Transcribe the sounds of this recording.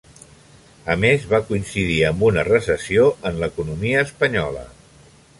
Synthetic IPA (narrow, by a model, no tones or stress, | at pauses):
əmezβakuinsiðiəmbunərəsəsioʔənləkunumiəːspəɲɔlə̰